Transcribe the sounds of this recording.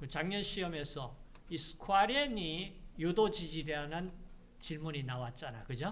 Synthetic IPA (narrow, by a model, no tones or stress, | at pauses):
kɯt͡ɕaŋɲʌnɕʰiʌme̞sʰʌ | isʰɯ̥kʰwaɾenijudod͡ʑid͡ʑiɾanɯn | t͡ɕiɭmuɲinawat̚t͡ɕ͈anakɯd͡ʑo